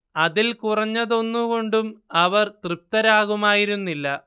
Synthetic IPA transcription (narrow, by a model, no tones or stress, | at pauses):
ɐðilkurɐɲːɐðo̞nːuko̞ɳɖumɐʋɐrt̪rip̚t̪ɐɾaːɣumaːjiɾunːilːɐ